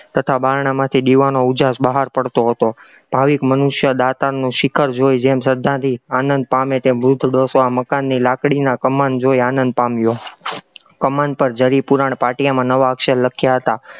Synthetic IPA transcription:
t̪ət̪ʰabaɾɳamãt̪ʰiɗ̪iʋanoud͡ʒasbəɦaɾpəɽt̪oɦət̪o | b̥ʱaʋikmənuʃjəd̪at̪anũʃɪkʰəɾd͡ʒojd͡ʒemsəd̪ʱːãt̪ʰianənd̪̚pamet̪emʋɾʊd̪ʱɖosoaməkanːilakɽinakəmand͡ʒojanə̃nd̪̚pamjo | kəmanpəɾd͡ʒəɾipuɾaɳ̃paʈijamãnəʋaəkʃəlləkʰjaɦət̪a

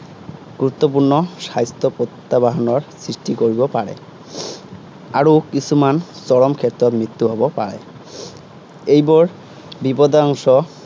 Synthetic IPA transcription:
ɡuɾut̪ːop̬uɾnɔʃajst̪opot̪ːabaɦɔnoɾsɾiʃʈikoɾibopaɽḛ | aɾokisʰumant͡ɕɔɽɔmkʰeɾt̪ːɾɔɾmɹit̪ːuɦɔbopa̰ɾḛ | ejbɔɾ | bipɔd̪aɔŋʃɔ

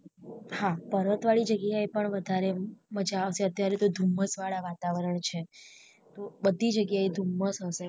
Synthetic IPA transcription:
hapəɾət̪ʋaɭid͡ʒəɡjaepəɳʋəd̪ʱaɾeməd͡ʒaseət̪jaɾet̪od̪ʱumːəsʋaɭaʋat̪aʋəɾəɳt͡ʃʰe | t̪obəd̪ʱid͡ʒəɡjaed̪ʱumːəsɦəse

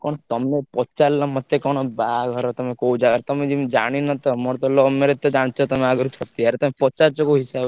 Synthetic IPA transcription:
kɔɽ̃t̪ɔmepɔt͡ʃalːɔmɔt̪ːekɔɽ̃ɔbaɡʱɔɾɔt̪ɔmẽkoud͡ʒaɡaɾt̪ɔmẽd͡ʒimid͡ʒaɽ̃inɔt̪ɔmɔɽt̪ɔlɔmeɾet̪ːɔd͡ʒaɽ̃t͡ʃʰɔt̪ɔmeaɡɔɾut͡ʃʰɔt̪iaɾt̪ɔmepɔt͡ʃaɾt͡ʃɔkoɦisab

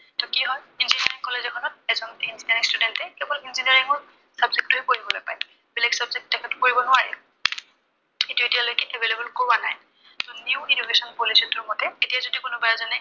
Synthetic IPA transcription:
tʰɔkiɦɔjinzinɛɹiŋkɔlezɔkʰɔnɔt̚ɛzɔninziniaɹiŋstudɛntɛkɛbɔlinziniaɹiŋɔɹ | sabzek̚tʊɦekoɹibɔlojpaj | bilɛɡsabzek̚ttɛkʰɛtʊ̥koɹibɔnʊaɹɛ | etuetijalojkɛʔɛbelebɔlkowana̰j | tʊniuidukesɔnpolisɔtʊɹmɔtɛetijazodikʊnʊbajazɔnɛ

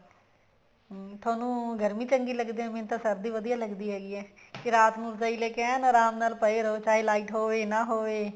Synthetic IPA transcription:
t̪ʰaːnũːɡəɾmiːt͡ʃəŋɡiːləɡd̪eːɦɛ̃ːmẽːnt̪ãːsəɾd̪iːʋəd̪ijaːləɡd̪iːɦɛːɡiːɛː | kɪɾaːt̪nũːt͡ʃaːiːleːkɛːnɔɾaːmnaːlpəeːɾəoːt͡ʃaːɦelaːiːʈɦoːʋeːnãːɦoːʋeː

